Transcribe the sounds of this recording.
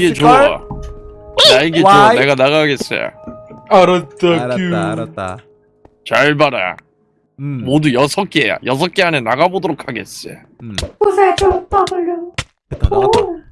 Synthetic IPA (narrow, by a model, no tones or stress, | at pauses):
iɡe̞t͡ɕojo | naiɡeoone̞ɡanaɣaɡe̞s͈ʌ̰jo̰aɾatakɯ | t͡ɕaɭbaɾa̰ja̰ | modujʌsʰʌk͈eeja̰jʌs̬ʰʌk͈eanenaɡabodoɾokʰaɡe̞̰s͈ʌ̰jo̰ | osatotabɯɭːo | o